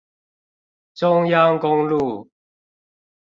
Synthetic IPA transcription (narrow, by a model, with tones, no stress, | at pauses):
t͡sʊ˦ŋja˦ŋkʊ˦ŋlu˥˨